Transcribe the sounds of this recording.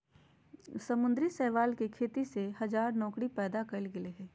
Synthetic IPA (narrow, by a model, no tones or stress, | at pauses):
sɐmʊ̃nd̪ɾisɛːʋaːlkikʰeːt̪iseɦɐzaːɾnɔːkɽipɛːd̪akɐlɡɪleɦɛː